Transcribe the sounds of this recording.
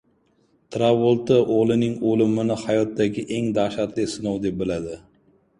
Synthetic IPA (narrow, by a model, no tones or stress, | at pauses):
t̪ʰɾawolˠt̪ɪʔolˠɪnɪŋolɪmɪnɪhajɒt̪ːaɡʲɪʔeŋd̪aʃat̪lɪsɪnowd̪ep̚bɪlad̪ɪ